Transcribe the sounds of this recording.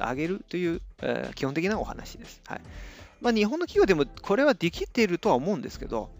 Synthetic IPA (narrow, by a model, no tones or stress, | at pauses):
a̰ɡe̞ɾɯ̟t̪ːo̞jɯ̟ːḛkʲihõ̞n̬ekʲinao̞ha̰na̰ɕid̪e̞sɨ̥ha̰imaɲ̟iɦõ̞nːokʲiɡʲeːd̪e̞mo̞kʰo̞ɾe̞βad̪e̞kʲit̪ːe̞ɾɯ̟t̪o̞aomo̞ɯ̟̃nd̪e̞sɨ̥ke̞d̪o̞̰